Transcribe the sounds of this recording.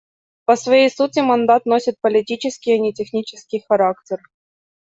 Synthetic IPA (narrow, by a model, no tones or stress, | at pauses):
pəsvɐjejsutʲɪmɐnd̪at̪nosʲɪt̪̚pəlʲɪtʲit͡ɕɪskʲɪjɐnʲɪtʲɪxnʲit͡ɕɪskʲɪjxɐɾaktʲɪr